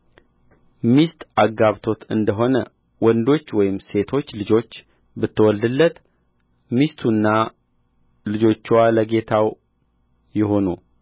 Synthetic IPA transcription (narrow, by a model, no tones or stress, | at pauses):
mist̪ʔaɡːaβt̪ʰo̞t̪ʰɨnd̪əɦo̞nə | wɔnd̪o̞t͡ʃːwɔjɪmse̞t̪ʰo̞t͡ʃːlɨd͡ʒo̞t͡ʃː | bɨt̪ʰːəwɔld̪ɨlːət̪ | mist̪ʰunːa | lɨd͡ʒo̞t͡ʃːwaləɡe̞t̪ʰaw | jɪɦo̞nu